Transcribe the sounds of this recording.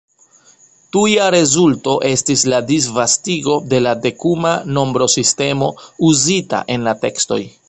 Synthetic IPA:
tujaɾe̞zulto̞ʔe̞stisladis̬vastiɡo̞de̞lade̞kumano̞mbɾo̞siste̞mo̞uzita̰ʔe̞nlate̞ksto̞̰j

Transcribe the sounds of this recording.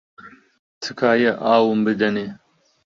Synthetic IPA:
t̪ʰɨkʰaːjɐʔaːwumbɨd̪ɐne

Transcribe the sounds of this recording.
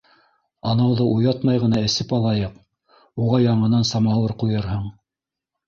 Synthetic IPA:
ɑnɑwðɤʔujɑt̪mɑjʁɤ̆nɑɘ̆sɘpɑlˠɑjɤq | uʁɑjɑɴɤ̆nɑnsɑmɑwˠɤɾqujɤɾɦɤɴ

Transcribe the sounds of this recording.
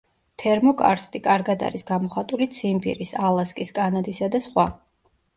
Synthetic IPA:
t̪ʰɛɾmɔkʼa̰ɾst̪ʼikʼaɾɡad̪a̰ɾisɡamɔχat̪ʼulit̪sʰimbḭɾisalˠaskʼiskʼanad̪isad̪asχwa

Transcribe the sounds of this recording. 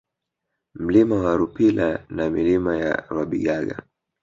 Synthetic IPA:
m̩limawaɾupilanamilimaja̰waɓiɠaɠa̰

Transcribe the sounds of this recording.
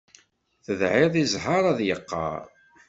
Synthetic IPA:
θəðʕɪðˤizɦɑɾˤæðjəqːɑ̰ɾˤ

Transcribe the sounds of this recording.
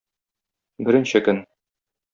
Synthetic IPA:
bɘ̆ɾɘ̆nɕɘkɵn

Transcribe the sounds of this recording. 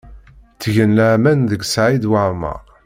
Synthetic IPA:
t͡sːəʝənləʕmænðəɡsʕid̪waʕmæ̰

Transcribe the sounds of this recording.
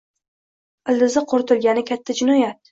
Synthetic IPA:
ɪld̪ɪzɪqʰoɾt̪ʰʊlɡʲanɪkʲʰat̪ʰːad͡ʒɪnɒjat̪̚

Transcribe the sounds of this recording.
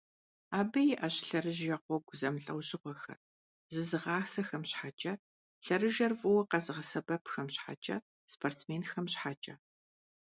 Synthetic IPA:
aːbɐjɪʔɐɕɬɐrɨʑjɐqʷɔɡʷzɐmɬʼɐwɕɪʁʷɔxɐ̰r | zɨzɨʁɑːsɐxɐmɕħat͡ʃʼɐ | ɬɐrɨʒɐrvʼɨwɐqɐzɨʁɐsɐbɐpʰxɐmɕħa̰t͡ʃʼɐ̰ | spʰortmeːnxɐmɕħat͡ʃʼɐ

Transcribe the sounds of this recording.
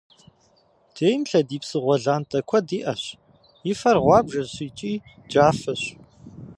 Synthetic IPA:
d̥eːjmɬɐdiːpsɨʁʷɔɮaːntʰʼɐkʷʰɔdiːʔɐɕ | jɪfɐrʁʷɑːbʒɐzɕiːt͡ʃʼiː | d͡ʒaːfɐɕ

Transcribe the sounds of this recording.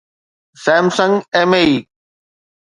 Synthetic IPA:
sɛ̃ːmsə̃ŋɡeːmeiː

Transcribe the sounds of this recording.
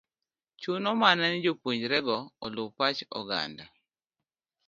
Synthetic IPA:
t͡ʃunɔmanɛnɪd͡ʒopoɲd͡ʒɾɛɡɔɔlʊwpat͡ʃɔ̰ɡa̰nda

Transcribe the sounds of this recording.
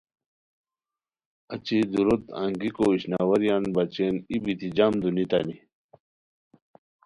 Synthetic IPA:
ɐt͡ɕid̪uɾut̪a̰ŋɡikoiɕnaːwɐɾjaːnbɐt͡ɕenibit̪id͡ʑamd̪unit̪a̰ni

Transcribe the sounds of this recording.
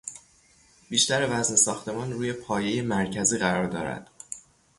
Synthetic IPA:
b̥iːʃt̪æɾevæznesɒːxt̪ʰe̞mɒːnruːje̞pʰɒːje̞je̞mæɾcʰæziːɢæɾɒːɾd̪ɒːɾæ̰d̪̥

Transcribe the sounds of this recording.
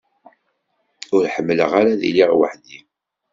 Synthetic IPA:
ʊɾħəmːləʁaɾaðḭliʁwə̰ħðim

